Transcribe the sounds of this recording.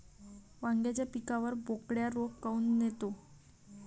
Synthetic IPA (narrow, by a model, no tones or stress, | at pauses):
ʋaŋɡjat͡ɕjapikaʋəɾbokɽjaɾokkːaunːet̪o